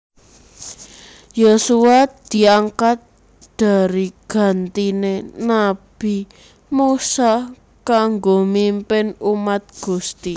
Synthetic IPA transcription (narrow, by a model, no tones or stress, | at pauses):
josuad̪̥i̤aŋkat̪̚ | d̪̥a̤ɾiɡ̥a̤nt̪inenab̥i | musa | kaŋɡomimpɪnumat̪̚ɡ̥ṳst̪i